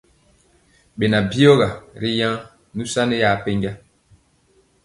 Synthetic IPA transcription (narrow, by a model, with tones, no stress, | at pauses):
ɓe˨na˨bi˦o˦ɣa˨ɾi˦jã˦ | nu˦sa˦nɛ˦ja˦˨pe˦ŋɡa˦